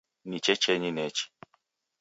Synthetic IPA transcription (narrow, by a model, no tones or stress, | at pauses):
nit͡ʃɛt͡ʃɛɲinɛt͡ʃi̥